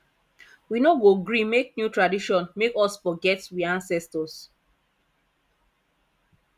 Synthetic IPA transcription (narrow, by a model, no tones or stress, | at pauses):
winoɡoɡɹimek̚njutɹadiʃɔ̃nmekɔsfɔɡɛtwiãnsɛstɔs